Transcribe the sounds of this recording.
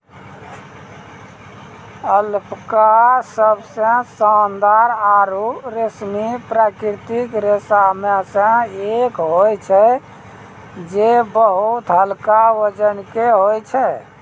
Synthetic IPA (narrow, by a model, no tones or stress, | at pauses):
əlpʰkasəbsə̃sand̪aɾaɾuɾəsmipɾakɾɾit̪ikɾesamesə̃ekɦojt͡ʃʰɛ | d͡ʒebəɦut̪ɦəlkawəd͡ʒənkeɦojt͡ʃʰɛ